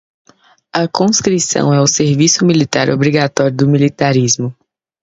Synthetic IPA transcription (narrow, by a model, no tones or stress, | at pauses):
ɐkõskɾisɐ̰̃w̃ɛʊseɾvisʊmilit̪aɾobɾiɡat̪ɔɾjʊd̪ʊmilit̪aɾizmʊ